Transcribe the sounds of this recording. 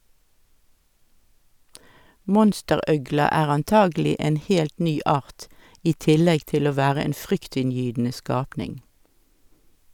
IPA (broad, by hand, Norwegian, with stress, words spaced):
ˈmɔnstəˌʁœɡlɑ ˈæːʁ ɑnˈtɑːɡl̩ɪ ˈeːn ˈhɛlt ˈnyː ˈɑːʁt ˈiː ˈtɪlɛɡ ˈtɪl ˈoː ˈʋæːʁə ˈeːn ˈfʁʏktɪnˌjyːdn̩ə ˈskɑːpnɪŋ